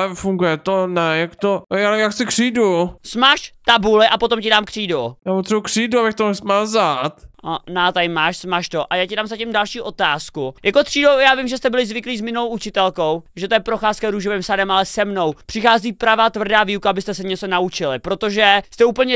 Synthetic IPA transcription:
ɛfuŋɡujɛt̪onɛjakt̪oalɛjaksɪkr̥iːdusmaːʃt̪abulɪʔapo̞t̪o̞mcɪdaːmkr̥iːdujaːpot̪rɛbukr̥iːduabɪxt̪onɛsmazat̪anat̪aɪmaːʃsmaʃt̪oʔajaːcɪdaːmzacɪmdalʃiːʔo̞t̪aːskujakot̪r̥iːdowjaːvɪmʒɛst̪ɛbɪlɪzvɪkliːzmɪnowʔut͡ʃɪt̪ɛlko̞wʒɛt̪ojɛpɾo̞xaːskɛɾuːʒovɪmsadɛmʔalɛsɛmno̞wpr̥ɪxaːziːpɾavaːt̪vr̩daːviːukaabɪst̪ɛsɛɲɛt͡sonaut͡ʃɪlɪpɾot̪o̞ʒɛst̪ɛuːpl̩ɲɛ

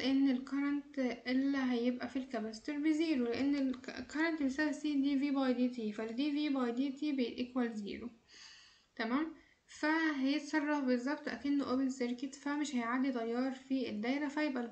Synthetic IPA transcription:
ʔenːelkɑɾˤɑnt̪ʔelːiɦæjebʔæfilkæbæst̪eɾbeziːɾoleʔenːelkɑɾˤɑnt̪besæbsiːd̪iːviːbɑjd̪it̪ifælːed̪iːviːbɑjd̪iːt̪ibeʔekwælzḭːɾo | t̪æmæːm | fæɦæjet̪sˤɑrˤːɑfbezˤːɑbt̪ˤʔæ̰kenːʔobenseɾket̪fæmɪʃhæjʕaːd̪it̪ˤɑjːɑːɾˤfied̪ːæjɾæfæhjebʔæ

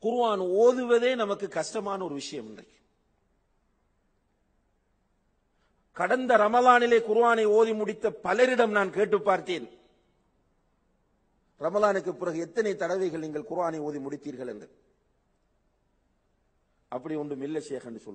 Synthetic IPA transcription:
kʊɾɯʋaːnoːðɯʋɐðeːnɐmɐkːɯkːɐʂʈɐmaːnɐɔɾɯʋɪʂɐjɐmɪndrɐ̰ɪk | kɐɽɐnd̪ɐɾɐmɐðaːnɪleːkʊɾɯʋaːnɐɪoːðimʊɽɪt̪ːɐpɐlɐɾɪɽɐmnaːnkeːʈːɯpːaːɾt̪eːn | ɾɐmɐðaːnɯkːɯpːɪɾɐɣɯɛt̪ːɐnɐɪt̪ːɐɽɐʋɐɪɣɐɭniːŋɡɐɭkʊɾɯaːnɐɪoːðimʊɽɪt̪ːiːɾɣɐɭɛ̰ndɐ | ʔɐpːɐɽɪɔɳɖɯmɪlːɐsɛjɐɣɐndɯsɔ̰ː

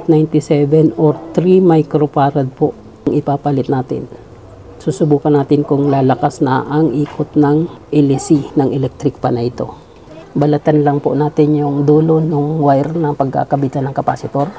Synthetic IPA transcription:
t̪najnt̪ɪsɛvɛnoɾt̪ɾimajkɾopaːɾɐd̪̚poʔ | ɐŋɪpaːpalɪt̪̚naːt̪ɪ̰n | suːsʊbuːkɐnaːt̪ɪnkʊŋlaːlɐkasnɐʔɐŋʔiːkʰot̪nɐŋʔɛlɪsinɐŋʔɛlɛk̚t̪ɾɪk̚pɐnɐʔɪt̪o̞̰ | bɐlɪt̪anlɐŋponaːt̪ɪnjʊŋd̪uːlo̞nʊŋwajɾnɐŋpɐɡ̚ka̰ːkɐbit̪anɐŋkɐpaːsɪt̪oɾ

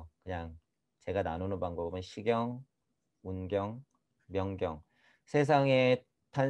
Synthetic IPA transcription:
kɯɲaŋ | t͡ɕe̞ɡananonɯnpaŋbobɯnɕʰiɡjʌŋ | unɡjʌŋ | mjʌŋɡjʌŋ | sʰe̞s̬ʰaŋe̞ | tʰan

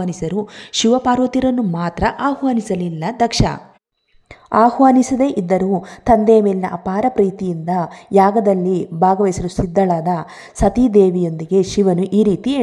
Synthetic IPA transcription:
anisɐɾuʃiʋɐpaːɾʋot̪iɾɐnːumaːt̪ɾɐʔaːhʋaːnisɐlilːɐd̪ɐkʂɐ̰ | aːhʋaːnisid̪e̞ːʔid̪ːɐɾuːt̪ɐnd̪ejɐmeːlinɐʔɐpaːɾɐpɾiːt̪ijind̪ɐjaːɡɐd̪ɐlːibʱaːɡɐʋɐjsɐɾusid̪ːɐɭaːd̪ɐ | sɐt̪id̪eːʋijo̞nd̪iɡe̞ʃiʋɐnuʔiːɾiːt̪ieː

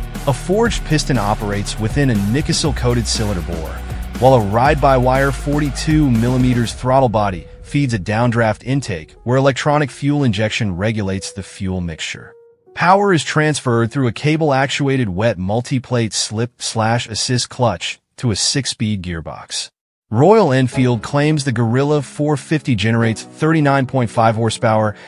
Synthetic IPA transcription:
əfɔɹd͡ʒpʰɪstɨ̃ñɑpə˞eɪtswɨθɪ̃nɨnɪkɨsl̩ˠkʰoʊɾɨd̥sɪlˠə̃ə˞bɔ̰ɹwaɪlˠəɹaɪd̚baɪwaɪə˞fɔɹɾitʰʉmɪlˠəmiɾə˞z̥θɹɑɾl̩ˠbɑɾi | fidzɨdãʊ̃ndɹæftʰɪ̃ntʰeɪkwə˞ɨlɛk̚tʰɹ̥ɑɾ̃ɨkfjulˠə̃nd͡ʒɛkʃɨ̃nɹɛɡjɨleɪtsðɨfjʉl̩ˠmɪkst͡ʃə̰˞ | pʰaʊə˞ɨz̥tʰɹ̥æ̃nsfɜ˞d̪̚θɹʉɨkʰeɪbl̩ˠæk̚t͡ʃueɪɾɨd̚wɛt̚mʌlˠtʰipʰl̥eɪtslɪp̚slæʃɨsɪskʰl̥ʌt͡ʃ | tʰəɨsɪkspid̚ɡɪɹbɑ̰ks | ɹɔɪl̩ˠɛ̃nfilˠd̚kʰl̥ẽɪ̃mzðɨɡə˞ɪlˠəfɔɹfɪftid͡ʒɛñə˞eɪtsθɜ˞ɾinãɪ̃npʰɔ̃ɪ̃ntfaɪv̥hɔɹspʰaʊə˞

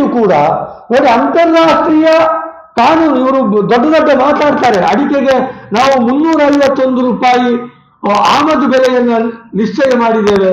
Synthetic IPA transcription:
ukuːɽɐ̰no̞ːɽiɐnt̪ɐɾːaːʂʈɾiːjɐ | kaːnuːnuiʋɐɾud̪ɔɖːɐd̪ɔɖːɐmaːt̪aːɽt̪aːɾeɐɽikeɡe̞naːʋumunːuːɾɐɐjʋɐt̪ːo̞nd̪uɾuːpaːji | aːmɐd̪ubɛlɛjɐnːɐniʂt͡ʃɛjɐmaːɽid̪eːʋe

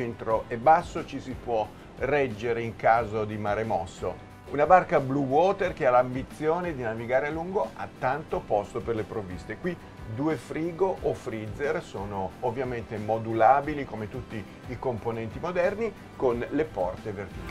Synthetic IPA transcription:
ent̪ɾoʔɛbasːot͡ʃisipwɔ | rɛd͡ʒːeɾeiŋkaːzod̪imaɾemɔsːo̰ | unabarkabluwɔːt̪erkealambit̪sːjoːned̪inaviɡaːɾealːuŋɡoat̪ːant̪opɔst̪operlepɾovːist̪ekwi | d̪uːefɾiːɡoʔːfɾid̪zːersoːnoːvːjament̪emod̪ulaːbilikomet̪ut̪ːiː | komponɛnt̪imod̪ɛrni | konlepɔrt̪evert̪ik

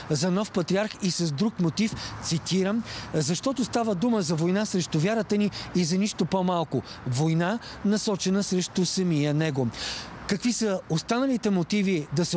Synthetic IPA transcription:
zɐnɔfpɐt̪ɾiaɾxisɐzd̪ɾukmot̪ift̪sit̪iɾəmzɐʃt̪ɔt̪ʊst̪avəd̪uməzɐvojnasɾɛʃt̪ʊvʲaɾət̪əniːzɐniʃt̪opomalˠkʊ | vojna | nɐsɔt͡ʃɛnəsɾɛʃt̪ʊsɐmijənɛɡo | kɐkvisəost̪anɐlit̪ɛmot̪ivid̪ɐsɛ

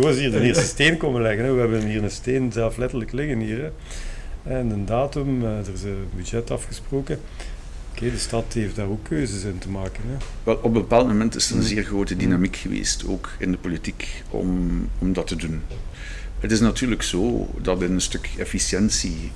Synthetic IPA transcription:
zoːɑsiːrdənɪːrsstəsteːnkomənlɛɣənɛʋəɦɛbənnɦiːrəsteːnzɛlˠflɛtərləklɪɣənɦiːrɛ | ɛnəndaːtʏmdərɪsənbydd͡ʒɛtɑfxəsproːkə | okeːdəstɑtɦeftdaːrokʰːøːzəsɪntəmaːkənɛʋɛlˠɔp̚bəpaːlˠtmomɛntɪsətənzɪːrɣroːtədinamikxəʋḛːsto̰ːkɪndəpolitik | ɔ̰mɔmdɑtədun | ətɪsnatyːrləkso̰ːdɑtɪnənstɵkefisjɛnsi

